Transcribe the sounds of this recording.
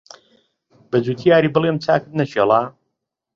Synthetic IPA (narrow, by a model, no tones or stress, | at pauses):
bɐd͡zuːt̪ʰijaːɾiːbɨlˠemt͡sʰa̰ːkɨt̪nɐʃelˠaː